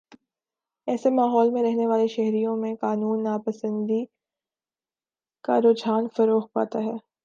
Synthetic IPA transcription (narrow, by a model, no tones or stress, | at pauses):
ɛːsemaːɦɔːlmẽɾɛɦneʋaːleʃɛɦɾijõmẽqaːnuːnːaːpəsə̃nd̪i | ka̰ɾoːd͡ʒaːnfɐɾoːxpa̰ːt̪aɦɛː